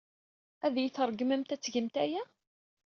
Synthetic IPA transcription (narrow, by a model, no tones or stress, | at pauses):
æðjiθəɾˤɡməmt̪æt͡sːʝəmt̪æjæ